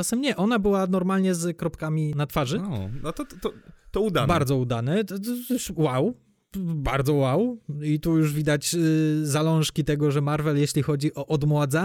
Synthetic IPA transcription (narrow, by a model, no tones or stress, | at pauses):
asɛmɲɛʔɔnabɘwanɔɾmalɲɛzkɾɔpkamʲinat̪faʐɨɔnɔt̪ɔt̪ɔt̪ɔud̪abaɾd̪zɔud̪anɛuwaw | ba̰ɾd̪zɔwawit̪ujuʐvʲid̪at͡ɕzalɔ̃w̃ʂkʲit̪ɛɡɔʐɛmaɾvɛljeɕlʲixɔd͡ʑiʔɔʔɔd̪mwad̪za